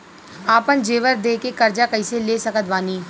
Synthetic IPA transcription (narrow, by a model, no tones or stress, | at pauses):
aːpənd͡ʒeːʋəɾd̪eːkekəɾd͡ʒaːkəiseleːsəkət̪ʋaːniː